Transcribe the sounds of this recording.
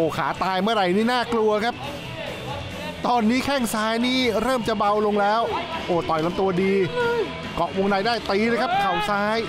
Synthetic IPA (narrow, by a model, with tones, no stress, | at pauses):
ʔoː˨˩kʰaː˩˦t̪aː˧jmɯ˥˩ɐɾa˧jniː˥˩naː˥˩klu˧ɐkʰa˦˥p̚ | t̪ɔː˧nːiː˦˥kʰɛ˥˩ŋsaː˦˥jniː˥˩ɾɤː˥˩mt͡ɕa˨˩ba˧wlo˧ŋlɛː˦˥wʔoː˨˩t̪ɔ˨˩jla˧mt̪u˧ɐdiː˧ | kɔ˨˩ʔwo˧ŋdaː˧jdaː˥˩jt̪iː˥˩la˧˥jkʰa˦˥p̚kʰa˨˩wsaː˦˥j